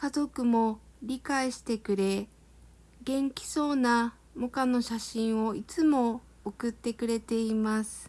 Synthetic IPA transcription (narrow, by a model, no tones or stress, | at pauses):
kazo̞kɯ̟mo̞ɾʲikaiɕi̥t̪e̞kɯ̟ɾe̞ | ɡẽ̞ŋkʲi̥so̞ːna | mokano̞ɕaɕĩɰ̃o̞it͡sɨmo̞ː | kɯ̟t̪ːe̞kɯ̟ɾe̞t̪e̞imasɨ̥